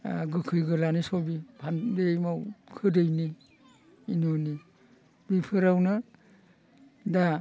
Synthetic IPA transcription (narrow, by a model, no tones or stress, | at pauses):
ɡɯkʰɯjɡɯlanisobipʰandejmawkʰɯdɯjniː | noni | bipʰɯɾawnɯ | da